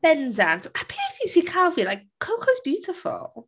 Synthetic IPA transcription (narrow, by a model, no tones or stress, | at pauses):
bɛ̃ndãntapʰitisikʰalfilaɪkʰːoʊkʰoʊzbjʉˑtɪfə̰l̩ˠ